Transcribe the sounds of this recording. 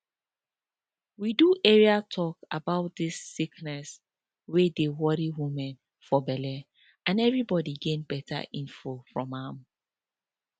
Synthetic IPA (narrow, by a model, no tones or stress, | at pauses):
widuʔɛɹiatʰɔkabaʊt̚disːiknɛs | wedewɔɾiwimɛ̃n | fɔbɛlɛ | ãnɛvɹibɔdiɡẽnbɛtʰa̰ʔĩnfofɹɔ̃mãm